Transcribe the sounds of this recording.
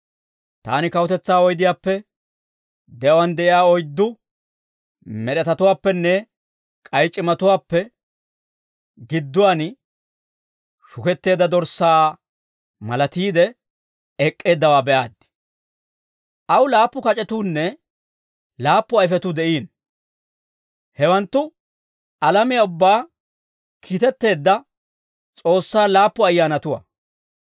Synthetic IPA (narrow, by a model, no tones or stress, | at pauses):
t̪a̰ːnɪkɐwʊt̪ɛt͡sːaːɔjd̪ɪjaːpːɛ | d̪ɛɐwɐnd̪ɛʔɪjaːɔjd̪ːʊ | mɛɗɛt̪ɐt̪ʊwaːpːɛnːɛ | kʼɐjt͡ʃʼːɪmɐt̪ʊwaːpːɛ | ɡɪd̪ːʊwaːn | ʃʊkɛt̪ːe̞ːd̪ːɐd̪ɔɾsːaː | mɐlɐt̪iːd̪ɛ | ɛkʼːe̞ːd̪ːɐwaːbɛʔaːd̪ɪ̥ | ʔɐwʊlaːpːʊkɐt͡ʃʼɛt̪uːnːɛ | laːpːʊɐjfɛt̪ʊd̪ɛʔiːn | hɛwɐnt̪ːʊ | ʔɐlɐmɪjaʊbːaː | kʰiːt̪ɛt̪ːe̞ːd̪ːɐ | t͡sʼo̞ːsːaːlaːpːʊɐjːaːnɐt̪ʊwa̰